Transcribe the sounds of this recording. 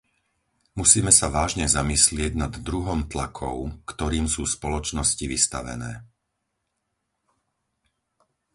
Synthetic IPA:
musiːmɛsaʋaːʒɲɛzamislɪɛɟnad̪ːɾuɦɔmt̪lakʰɔ̰ʊkt̪ɔɾiːmsuːspɔlɔt͡ʃnɔsciʋist̪a̰ʋɛ̰nɛ̰ː

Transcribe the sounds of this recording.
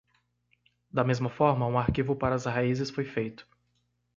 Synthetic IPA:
d̪ɐmezmɐfɔɾmɐũaɾkivʊpaɾɐːzhaizɪsfojfejt̪ʊ̥

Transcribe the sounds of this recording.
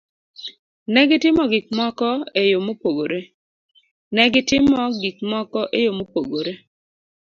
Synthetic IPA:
nɛɡɪtɪmɔɡik̚mɔkɔejomopoɡoɾe | nɛɡɪtɪmɔɡikmɔkɔʔejomopoɡoɾe

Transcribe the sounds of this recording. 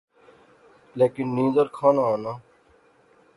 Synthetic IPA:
leːkɪnːĩːzəɾkʰaːnaːaːnãː

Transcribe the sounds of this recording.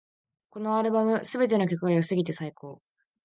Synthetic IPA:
ko̞no̞aɾɯ̟bamɯ̟sɨbe̞t̪̬e̞no̞kʲo̞kɯ̟ɡajosɨɡʲit̪e̞saikʰo̞ː

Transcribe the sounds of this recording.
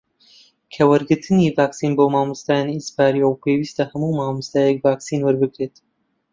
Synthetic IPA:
kʰɐwɐɾɡɨɾt̪ʰɨniːvaːksiːnboːmaːmɨst̪aːjanispaːɾiɐwpʰeːwist̪ɐhɐmuːmaːmust̪aːjɛk̚vaːksiːnwɐɾbɨkɾet̪

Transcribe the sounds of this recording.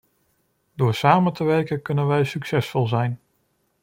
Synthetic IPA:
dʊːɹsaːməntəʋɛɹkənkɵnənʋɛjsyksɛsfɔlˠzɛjn

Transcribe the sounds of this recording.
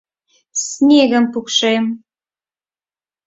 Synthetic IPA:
snʲeɣə̆mpukʃem

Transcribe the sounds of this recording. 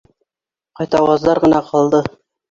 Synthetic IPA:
qɑjt̪ɑwɑzd̪ɑɾʁɤ̆nɑqʰɑlˠd̪ɤ

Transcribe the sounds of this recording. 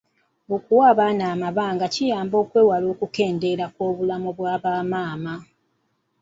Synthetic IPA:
okuwaːβaːnaːmaβaːŋɡacijaːmbo̞ːkwe̞ːwalo̞ːkuke̞ːnde̞ɾakwo̞ːβulamoβwaːβaːmaːma

